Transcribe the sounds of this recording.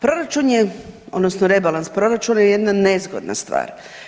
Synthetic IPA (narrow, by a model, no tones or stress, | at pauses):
pɾo̞ɾat͡ʃunjeo̰d̪nosnoɾe̞balanspɾo̞ɾat͡ʃunajeje̞d̪nane̞zɡo̰d̪na̰st̪ʋa̰ːɾ